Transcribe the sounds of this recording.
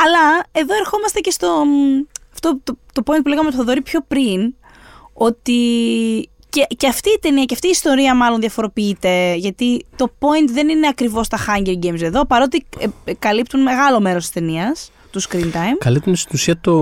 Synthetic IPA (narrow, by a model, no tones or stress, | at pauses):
ɐlɐe̞ðo̞e̞ɾxo̞mɐst̪e̞ce̞st̪o̞ | ɐft̪ot̪ot̪o̞p̞int̪puleɣɐmet̪foðo̞ɾipço̞pɾin | o̞t̪i | ceceɐft̪iːt̪e̞niɐceɐft̪iːst̪o̞ɾiɐmɐlo̞nðʝɐfo̞ɾo̞piit̪e̞ʝɐt̪it̪o̞po̞int̪ðe̞nine̞ɐkɾivo̞st̪ɐxɐɲɟeɾɟejmse̞ðo̞pɐɾo̞t̪ikɐlipt̪unme̞ɣɐlo̞me̞ɾo̞st̪i̥st̪e̞niɐs | t̪uskɾint̪ɐjmkɐlip̚t̪und̪est̪inusiɐt̪o